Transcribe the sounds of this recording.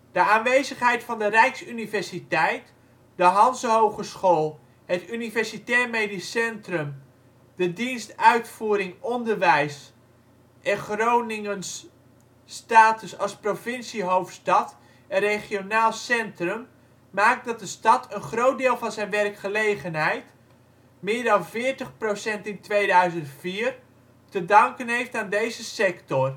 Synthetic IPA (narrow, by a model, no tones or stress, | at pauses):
d̥əaːnʋejzəχɦɛjtfɑndərɛjksynivɛɹsitɛjt | dəɦɑnsɦowχəsχoːlˠ | ɦətynivɛɹsitɛːɹmejdisɛntrəm | d̥ədinstœɥtfuːɾɪŋɔndəɹʋɛjs | ʔɛχrownɪŋənsː | taːtəsɑsprofɪnsiɦowftstɑt | əreχionaːlˠsɛntrəm | maːk̚dɑt̚dəstɑtʰənχrowt̚dɪːlˠvɑnzɛjnʋɛrkχəlejχənɦɛjt | mɪːəɹdɑnvɪːəɹtəχprosɛntɪntʋejdœɥzəntfiːr | tədɑŋkənɦejftaːndejzəsɛktɔr